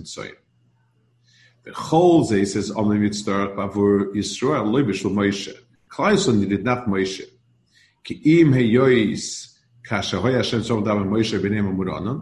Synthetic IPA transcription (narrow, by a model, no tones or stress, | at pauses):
t͡sɔ̰ɪn | ð̥əχɔlˠzeɪsɛzɔ̰mmɪt͡stɔɹəχbavuɹjɪsɹɔɛlˠːɔɪbɪʃɪmɔɪʃə | kʰlˠasɔndidɪd̚natmɔɪʃə | kʰɪimɦɛjɔɪs | kʰaʃɛɦɔjaʃɛmsɔmdavəmɔɪʃɛbeɪneɪmamuɾɔ̰nɔn